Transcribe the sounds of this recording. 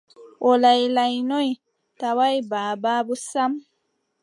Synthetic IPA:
olajlajnoi | tawajbaːbaːbusam

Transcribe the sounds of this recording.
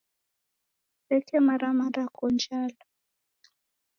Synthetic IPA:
pɛkɛmaɾamaɾakɔnd͡ʒala

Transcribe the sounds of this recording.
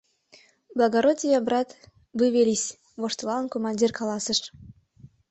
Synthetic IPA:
blˠɑɡoɾotʲijɑbɾɑt̪ | vɨvʲelʲisʲ | voʃt̪lˠɑənkomɑnʲdʲirkɑlˠɑsə̆ʃ

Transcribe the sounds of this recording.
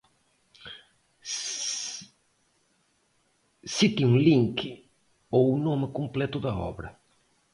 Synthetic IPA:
sit̪iũliŋkɪ | ounomɪkomplɛt̪ʊd̪ɐɔ̰βɾɐ

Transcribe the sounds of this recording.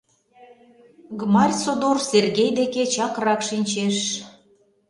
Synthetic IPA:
ɡmɑrʲsod̪orserɣejd̪eket͡ɕɑkrɑkʃinʲt͡ɕeʃ

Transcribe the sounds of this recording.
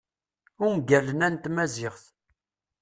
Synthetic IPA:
ʊnɡælənænt̪mæzɪʁθ

